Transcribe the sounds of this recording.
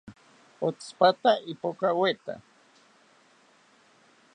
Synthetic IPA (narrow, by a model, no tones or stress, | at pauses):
ot͡spat̪aʔipokawet̪a̰